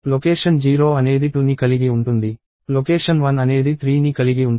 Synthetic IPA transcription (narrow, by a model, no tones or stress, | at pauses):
lokeːʂɐnd͡ʒiːɾo̞ːɐne̞ːd̪iʈunikɐliɡiuɳʈund̪i | lokeːʂɐnʋɐnɐne̞ːd̪it̪ʰɾiːnikɐliɡiuɳ